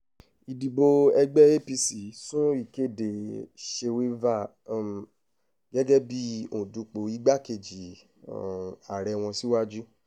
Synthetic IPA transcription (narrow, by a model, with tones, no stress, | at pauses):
i˨di˨bo˧ɛ˧ɡ͡bɛ˦e˦pi˧si˨sũ˦i˦˨ke˦˨de˨ʃe˧we˦va˦˨ | ɡɛ˦ɡɛ˦bi˦õ˨du˨˧k͡po˨˦i˦ɡ͡ba˦ke˧˨d͡ʒi˨ | a˨ɾɛ˧w̃ɔ̃˧si˦wa˦d͡ʒu˦